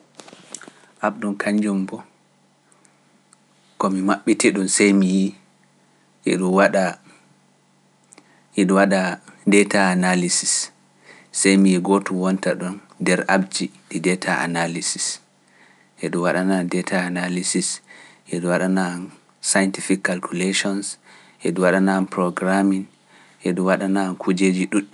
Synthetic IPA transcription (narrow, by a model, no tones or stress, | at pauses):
ʔaɓɗunkʰaɲd͡ʒumbɔ | kɔmimaɓːitɛɗunsajmiji | ʔɛ̰ɗuwaɗa | ʔɛɗɔwaɗadɛtaːnalisisː | ajmijiɡotuwɔntaɗun | dɛɾabd͡ʒiɗidɛtʰaʔa̰nalisi̥s | ʔɛɗuwaɗanandɛtʰaːnalisisʔɛɗuwaɗanan | sajntifikːalkuleʃɔns | ʔɛɗuwaɗananpɾɔɡɾamin | ʔɛɗuwaɗanankʰud͡ʒed͡ʒiɗuɗ